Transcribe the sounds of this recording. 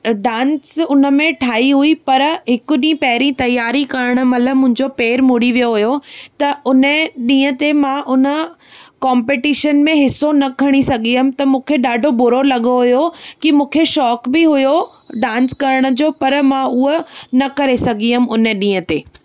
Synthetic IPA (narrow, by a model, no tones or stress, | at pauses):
ɖãːnsʊnə̆mẽʈʰaːiɦuipɐɾɦɪkʊ̆ɗĩːpɐɦɪɾĩt̪ɐjaːɾikɐɾəɽ̃ə̆mɐt̪ləbmʊ̃ɦɪ̃ɲd͡ʑopeːɾmʊɽiʋijoɦʊjot̪ɐʊnəɗĩːə̃t̪emãʔʊnə̆ | kɔ̃ːmpeʈiːʃənmẽɦɪsonɐkʰɐɽ̃isɐɡʱiɦʊm̆t̪ɐmũːkʰeɗaːɖʱobʊɾolɐɠoɦʊjokimũːkʰeʃɔːkbɪɦʊjo | ɖãːnskɐɾəɽ̃ʊ̆d͡ʑoːpɐɾmãʊonɐkɐɾesɐɡʱiɦʊmʊnəɗĩːə̃t̪eː